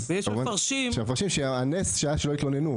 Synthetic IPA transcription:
vejɛʃvaʁʃimʃemefaʁʃimʃeanesʃeaaʃeloit̪lonenu

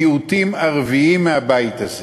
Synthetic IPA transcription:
ut̪imaʁviimːeabajt̪az

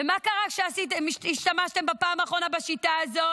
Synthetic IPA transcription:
vemakaʁakʃeasitemiiʃtamaʃt̪e̞mbapaːmaːχʁo̞nabaʃitaːzo̞

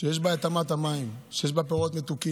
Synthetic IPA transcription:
ʃejeʃbaat̪amat̪amaimʃejeʃbapeʁot̪met̪uki

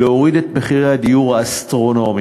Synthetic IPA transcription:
eo̞ʁidet̪meχiʁejad̪ijuʁaːst̪ʁo̞no̞mi

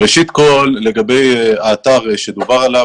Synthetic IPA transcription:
eʃit̪ko̞lːe̞ɡabe̞jaːt̪aʁʃed̪ubaʁala

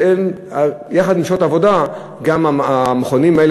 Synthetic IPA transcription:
en | jaχad̪mimʃot̪avo̞da | ɡamaameχonimael

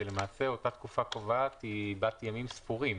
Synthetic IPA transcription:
ele̞maːse̞o̞tat̪kufakovat̪ibatjamimspuʁim

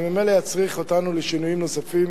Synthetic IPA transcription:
mime̞jlejat͡sʁiχo̞tanuleʃinujimno̞safim

